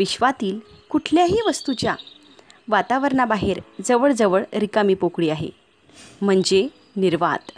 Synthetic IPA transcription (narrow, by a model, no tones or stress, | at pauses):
ʋiɕʋat̪iːlkuʈʰljaɦiːʋəst̪ut͡ɕja | ʋat̪aʋəɾɳabaɦeɾd͡zəʋəɭd͡zəʋəɭɾikamiːpokɽiːaɦḛ | m̤əɳd͡ze | niɾʋa̰t̪